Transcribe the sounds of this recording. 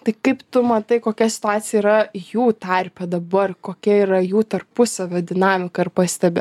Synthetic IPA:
t̪ɐɪkɐɪpt̪ʊmɐt̪ɐɪkoːkʲɛsʲɪ̥t̪ʊɑːt̪sʲɪjɛiɾɐjuːt̪ɐɾʲpʲɛd̪ɐbɐrkoːkʲɛiːɾɐjuːt̪ɐrpʊsɐʋʲoːd̪ʲɪnɑːmʲɪkɐɪrpɐsʲt̪ʲɛbʲɛ

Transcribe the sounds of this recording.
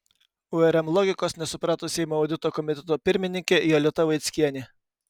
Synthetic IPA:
ʊɛɾʲɛmlˠɔɡʲɪkoːsnʲɛsʊpɾɑːt̪oːsʲɛɪmoːʊd̪ʲɪt̪oːkɔmʲɪt̪ʲɛt̪oːpʲɪɾʲmʲɪnʲɪŋʲkʲejolʲɪt̪ɐʋɐɪt̪sʲkʲiɛnʲɪ

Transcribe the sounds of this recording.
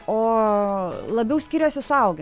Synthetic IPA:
oː | lˠɐbʲɛʊsʲkʲiːɾʲoːsʲɪsʊɐʊɡʲe

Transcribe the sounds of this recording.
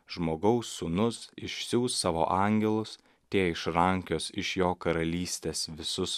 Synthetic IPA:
ʒ̥moːɡɐʊsːʊnʊsɪʃʲsʲuːsɑːʋo̰ːʔɑˑŋʲɡʲɛlˠʊs | t̪ʲeːɪʃɾɐŋʲkʲoːsɪʃjoːkɐɾɐlʲiːsʲt̪ʲeːsʋʲɪsʊs

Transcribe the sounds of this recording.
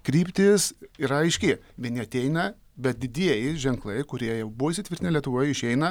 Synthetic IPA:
kɾʲiːpʲt̪ʲɪsiɾɐɐɪʃʲkʲe | ʋʲiɛnʲɪɐt̪ʲɛɪnɐ | bʲɛt̪̚d̪ʲɪd̪ʲiɛjɪʒʲɛŋklˠɐɪkʊɾʲiɛjɛʊbuʋoiʃsʲɪt̪ʲʋʲɪɾt̪ʲnʲɪlʲiɛt̪ʊʋoːjɪʃʲɛɪnɐ

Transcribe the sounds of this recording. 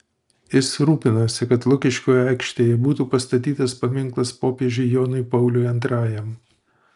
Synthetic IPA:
jɪsɾuːpʲɪnoːsʲɪkɐt̪lˠʊkʲɪʃʲkʲoːjɛæɪkʃʲt̪ʲeːjɛbuːt̪uːpɐst̪ɐt̪ʲiːt̪ɐspɐmʲɪŋˑklˠɐspoːpʲieɛʒʲʊɪjoːnʊɪpɐʊlʲʊɪɐnt̪ɾɑːjɛm

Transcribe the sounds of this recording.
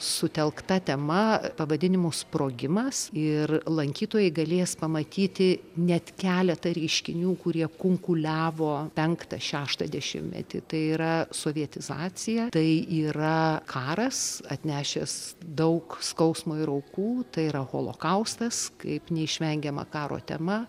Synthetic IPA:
sʊt̪ʲɛlˠkt̪ɐt̪ʲɛmɐpɐʋɐd̪ʲɪnʲɪmʊspɾoːɡʲɪmɐsɪrlˠɐŋʲkʲiːt̪oːjɛɪɡɐlʲeːspɐmɐt̪ʲiːt̪ʲɪnʲɛt̪kʲæːlʲɛt̪ɐɾʲɛɪʃʲkʲɪnʲuːkʊɾʲiɛkʊŋkʊlʲæːʋoːpʲɛŋkt̪ɐʃʲæːʃt̪ɐd̪ʲɛʃʲɪ̰mmʲɛ̰t̪ʲɪ̰t̪ɐɪiɾɐsoːʋʲiɛt̪ʲɪzɑːt͡s̪ʲɪjɛt̪ɐɪiːɾɐkʰɑːɾɐsɐt̪ʲnʲæːʃʲesd̪ɐʊkskɐʊsmoːɪɾɐʊkuːt̪ɐɪiɾɐɣo̰ːlˠo̰ːkɐʊst̪ɐskɐɪpnʲɛɪʃʲʋʲɛŋʲɡʲɛmɐ̰kɑːɾo̰ːt̪ʲɛ̰mɐ

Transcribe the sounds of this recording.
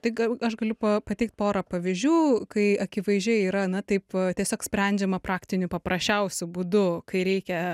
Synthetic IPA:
t̪ɐɪɐɐʃɡɐlʲʊpɐpɐt̪ʲɛɪkt̪̚poːɾɐpɐʋʲɪzʲd͡ʒʲuːkɐɪɐkʲɪʋɐɪʒʲɛɪiːɾɐnɐt̪ɐɪpt̪ʲiɛsʲoːksʲpʲɾʲɛnʲd͡ʒʲɛmɐprɑːkt̪ʲɪnʲʊpɐpɾɐsʲt͡ʃʲɛʊsʲʊbuːd̪ʊkɐɪɾʲɛɪkʲɛ

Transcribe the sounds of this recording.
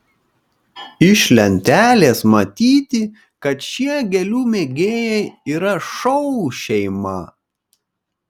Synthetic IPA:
ɪʃʲlʲɛnʲt̪ʲæːlʲeːsmɐt̪ʲiːt̪ʲɪ | kɐt̪ʃʲiɛɡʲɛlʲuːmʲeːɡʲeːjɛɪiːɾɐʃɔʊʃʲɛɪmɐ

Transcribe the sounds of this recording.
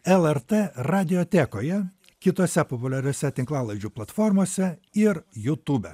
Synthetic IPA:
ɛlˠɛɾt̪eɾɑːd̪ʲɪjoːt̪ʲeːkoːjɛ | kʲɪt̪oːsʲɛpɔpʊlʲɛɾʲoːsʲɛt̪ʲɪŋklˠɑːlˠɐɪd͡ʒʲuːplˠɐt̪fɔɾmoːsʲɛɪɾjut̪uːbʲɛ̰

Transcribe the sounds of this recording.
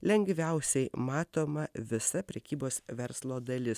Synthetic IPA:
lʲɛŋʲɡʋʲɛʊsʲɛɪmɑːt̪oːmɐʋʲɪsɐpʲɾʲɛkʲiːboːsʋʲɛɾslˠoːd̪ɐlʲɪs

